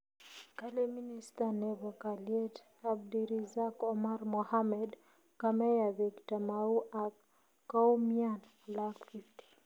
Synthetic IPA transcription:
kalɛministanɛvɔkaliɛt | ab̚diɾizakɔmaɾmɔhamɛd | kamɛjaviktamauʔa | kaumian | lakfifti̥

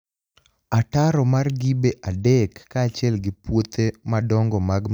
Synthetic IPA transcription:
ataɾɔmarɡibeʔadɛkːaːt͡ʃjɛlɡɪpwot̪emadɔŋɡɔmaɡ

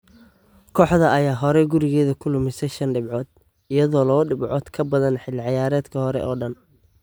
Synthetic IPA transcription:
kʰɔːħðɐɐjaːɦɔɾɛɡʊɾɪɣɛːðɐkʰʊlʊmɪsɛʃɐnɖɪbʕɔːd̪̚ | ɪjɐðɔːlɔːɖɪbʕɔːd̪kʰɐbɐðɐnħɪlːɪʕɑjaːɾɛːd̪kʰɐhɔɾɛ̰ʔɔːɖɐn

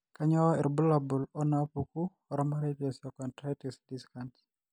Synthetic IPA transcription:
kaɲawaɛ̰ɾbulabulɔnapuku | ɔɾɔmaɾetiɔsjɔkɔntɾatisdiskanti̥

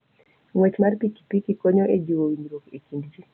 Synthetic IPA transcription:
ŋwɛt͡ʃmarpiki̥pikikoɲoed͡ʒiwowiɲɾokekindd͡ʒi

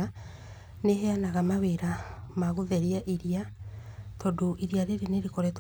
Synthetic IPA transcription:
a | neɦɛanaɣamaweɾamaɣoðɛɾiaʔiɾia | tɔdoʔiɾiaɾeɾeneɾekɔɾɛt

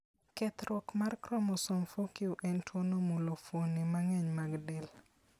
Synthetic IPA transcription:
kɛt̪ɾwɔkmarkɾɔmɔsɔmfokiuʔɛntʰwonomulofonimaŋɛɲmaɡdɛl

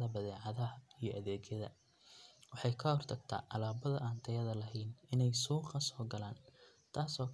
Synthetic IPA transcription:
ɐbɐðɛːʕɑðɐɦɐijɞʔɐðɛːɡjɐðɐ̰ | wɑħɑjkʰɐhɔrt̪ʰɐɡ̚t̪ʰa̰ːʔɑlaːbɐðɐʔaːnt̪ʰɐjɐðɐlɐɦɛjnɪnɛjsuːqɐsɔːɡɐlaːn | t̪ʰaːsɔːkʰ

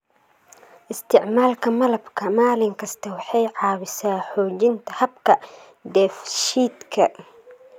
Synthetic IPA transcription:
ʔɪst̪ʰɪʕmaːlkʰɐmɐlɐbkʰɐmaːlɪŋkʰɐst̪ʰɐwɑħɑjʕɑːwɪsaːħɔːt͡ʃɪnt̪ʰɐhɐbkʰɐ | d̪ɛːfʃiːd̪kʰɐ̰

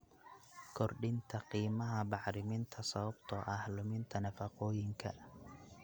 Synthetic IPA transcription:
kʰɔrɖɪnt̪ʰɐqiːmɐɦɐbɑʕɾɪmɪnt̪ʰɐsɐβɐbt̪ʰɔʔɐhlʊmɪnt̪ʰɐnɐfɐqɔːjɪŋkʰɐ

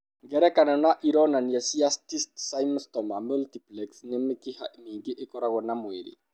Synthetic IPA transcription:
ɡɛɾɛkananaʔiɾɔnanjasiast̪ist̪sajmst̪ɔmamult̪iplɛksnɛmekiha̰ʔmiɡiʔɪkɔɾaɣɔnamweɾḭ

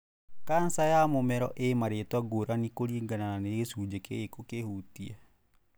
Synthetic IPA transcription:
kansajamomɛɾɔʔemaɾetwaɡoɾanikoɾiːŋɡanananeesud͡ʒekḛekokehutia

